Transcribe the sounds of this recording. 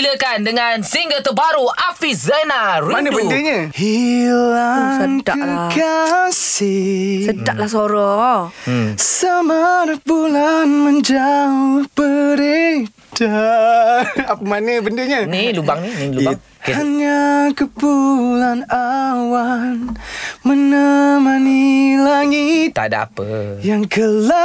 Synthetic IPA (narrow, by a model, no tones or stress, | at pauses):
ləkandəŋansiŋɡət̪əbaɾuʔafizanaɾmanədbəndeɲahilasəŋka̰əkasisədaʔlasoɾɔ | samaɾabulanməɲd͡ʒaupəɾe | ta | apəmanəbəndəɲanilubaŋninilu | khaɲakəpulanawanmənəmanilaŋit̪a̰da̰a̰pəjaŋkəla